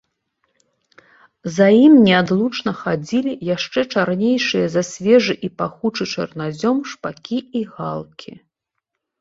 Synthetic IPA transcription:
zajimnʲɛad̪lˠut͡ʂnɐxad͡zʲilʲijaʂt͡ʂɛt͡ʂaɾnʲejʂɨjɐzɐsʲvʲɛʐɨʔipaxut͡ʂɨt͡ʂɐ̰rnad͡zʲɔmʂpakʲiiɣalˠkʲʰi

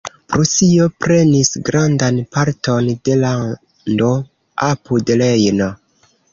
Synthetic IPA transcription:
pɾosio̞pɾe̞nisɡɾandanpaɾto̞nde̞la | ndo | apudlejno

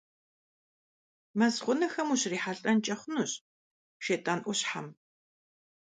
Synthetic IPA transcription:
mɐzχʷʊnɐxɐmuɕriːħaɬʼɐnt͡ʃʼɐχʷʊnuːɕ | ʃetʼanʔʷʊɕħa̰m

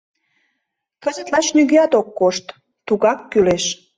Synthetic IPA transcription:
kəzə̆t̪lɑt͡ɕnyɣeɑt̪okːoʃt̪ | t̪uɣɑkːyleʃ

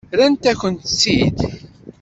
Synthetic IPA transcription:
ɾænt̪æçʷənt̪sid̪

